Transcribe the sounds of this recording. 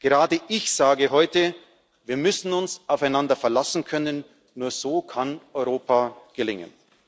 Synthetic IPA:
ɡ̥əʁaːdəʔɪçz̥aːɡəɦɔʏtə | viːɐmʏsn̩ʊnsʔaʊfaɪnandɐfɛɐlasn̩kʰœnənː | uːɐz̥oːkʰanʔɔʏʁoːpʰaːɡ̥əlɪŋə̰n

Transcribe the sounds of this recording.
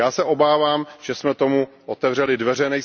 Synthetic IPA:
aːsɛʔo̞baːvaːmʒ̥ɛsmɛt̪o̞muʔot̪ɛvr̝ɛlɪdvɛrɛnɛj

